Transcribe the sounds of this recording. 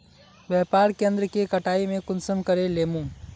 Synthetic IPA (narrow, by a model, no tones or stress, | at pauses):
ʋjɛːpaːɾkẽːnd̪ɾəkekɐʈaːimẽkʊnsəmkɐɾeleːmũː